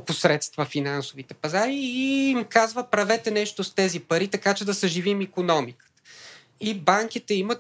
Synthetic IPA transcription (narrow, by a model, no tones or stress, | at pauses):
posɾɛt̪st̪vəfinansovit̪ɛpɐzaɾiːmkazvəpɾɐvɛt̪ɛnɛʃt̪ost̪ɛzipɐɾit̪ɐkat͡ʃɛd̪ɐsəʒivimikonɔmikə̥t̪ə̥ | ibaŋkit̪ɛimət̪